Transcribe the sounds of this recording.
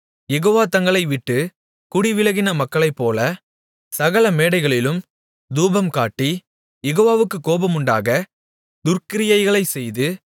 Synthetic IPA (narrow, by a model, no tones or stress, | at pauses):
jɛɣoːʋaːt̪ɐŋɡɐɭɐɪʋɪʈːɯ | kʊɽiʋɪlɐɣɪnɐmɐkːɐɭɐɪpːoːlɐ | sɐɣɐɭɐmeːɽɐɪɣɐɭɪlɯm | d̪uːbɐmkaːʈːi | jɛɣoːʋaːʋɯkːɯkːoːbɐmʊɳɖa̰ːɣɐ | d̪ʊrkɪɾɪjɐɪɣɐɭɐɪsɛjðɯ